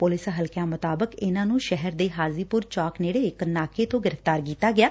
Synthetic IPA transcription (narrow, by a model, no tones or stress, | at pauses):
pʊlɪsɦəlkjãːmʊt̪aːbəkɪnãːnũːʃɛɦəɾd̪eːɦaːziːpʊɾt͡ʃaːkneːɽeːɪknaːkʰeːt̪õːɡɪɾəft̪aːɾkiːt̪aːɡɪjaː